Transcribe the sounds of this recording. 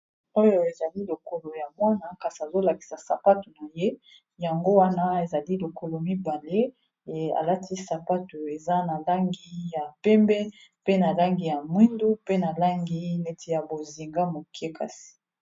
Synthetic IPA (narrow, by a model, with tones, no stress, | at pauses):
o˦jo˨e˨za˨li˦lo˨ko˨lo˨ja˨mwa˦na˦ka˨si˨a˨zo˦la˨ki̥˨sa˨sa˨pa˦tu˨na˨je˦ | ja˨ŋɡo˦wa˦na˦e˨za˨li˦lo˨ko˨lo˨mi˦ba˨le˦˨ | a̰˨la˦tʰi˦sa˨pa˦tu˨e˨za˦na˨la˦ŋɡi˦ja˨pɛ˦mbɛ˦pe˦na˨la˦ŋɡi˨ja˨mwi˦ndu˦pe˦na˨la˦ŋɡi˦ne˦tʰi˦ja˨bo˨zi˨ŋɡa˦mo˨ke˦ka̰˦si̥˨